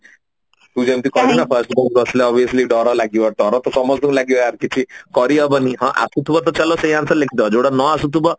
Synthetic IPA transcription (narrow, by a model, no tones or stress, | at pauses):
t̪ud͡ʒemt̪ikɔɾinafʰəɾsʈbɔʈəsleɔbiəsliɖɔɾɔlaɡiʋaɖ̪ɔɾɔt̪ɔsɔmɔsd̪umlaɡiɔaɾkit͡ʃʰikɔɾiəbəniɦã̰ʔa̰sut̪ubɔt̪ɔt͡ʃalɔsẽĩãnsəlekʰid̪ad͡ʒoɽanɔasut̪ubɔ